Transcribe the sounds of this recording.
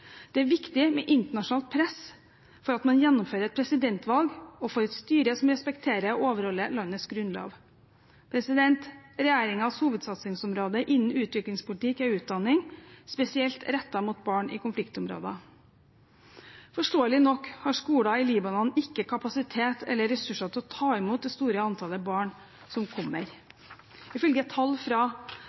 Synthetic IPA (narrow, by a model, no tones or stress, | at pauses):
d̪̥ɛæːɾʋɪkt̪ɪmɛʔɪnt̪əɳɑʂʊnɑːlt̪̚pʰɾɛs | fɔɾɑt̪mɑnjɛnːʊmføːɾəɾɛt̪̚pʰɾɛsɪd̪ɛnt̪ʰʋɑlɡɔfoːɾɛt̪st̪yːɾəsɔmɾɛspɛkt̪ʰeːɾəɔoːʋəɾhɔlːəlɑnːəsɡɾʉnlo̰ːʋ | pʰɾɛsɪd̪ɛnt̪ɾɛjæːɾɪŋɑshuːʋəd̪sɑt̪sɪŋsɔmɾoːd̪əʔɪnn̩ʉːt̪ʋɪklɪŋspʊlɪt̪ɪkæʉːt̪̚d̪ɑnːɪŋspɛsɪɛlt̪ɾɛt̪ːɑmʊt̪̚bɑːɳɪ̰kʊnflɪkt̪ɔmɾo̰ːd̪ɑ̰ | fɔʂʈoːəlɪnɔkːhɑʂkuːɽɑɪliːbɑnɔnɪkːəkʰɑpɑsɪt̪ʰeːt̪ʰɛ̰lːəɾɛsʉʂɑt̪ʰɪɔt̪ʰɑːɪmuːt̪̚d̪ɛst̪uːɾəɑnt̪ʰɑləbɑːɳ | sɔmkʰɔmːəɾ | ɪfœlɡət̪ʰɑlːfɾɑ